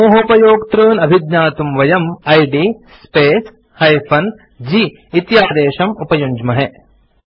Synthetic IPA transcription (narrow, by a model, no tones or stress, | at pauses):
moːɦɐpɐjoːkt̪ɾɯːnɐbʱid̪ɲaːt̪umʋɐjɐmɐjɖi | speːs | hɐjfʰɐn | d͡ʒiː | t̪jaːd̪eːʃɐmupɐjuɲd͡ʒmɐɦe